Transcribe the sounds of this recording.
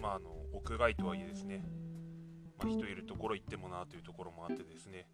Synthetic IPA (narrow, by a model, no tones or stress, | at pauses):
maːno̞okɯ̟ɡait̪o̞βaied̪e̞sɨne̞ | maçi̥t̪o̞iɾɯ̟t̪o̞ko̞ɾo̞it̪ːe̞mo̞nat̪ojɯ̟t̪o̞ko̞ɾo̞mo̞at̪ːe̞d̪e̞sɨne̞